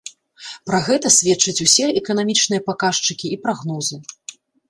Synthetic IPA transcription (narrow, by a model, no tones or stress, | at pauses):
pɾaɣɛt̪ɐsʲvʲɛtt͡ʂːɐt͡sʲusʲɛɛkɐnamʲit͡ʂnɨjɐpakaʂt͡ʂɨkʲiipɾaɣnɔzɨ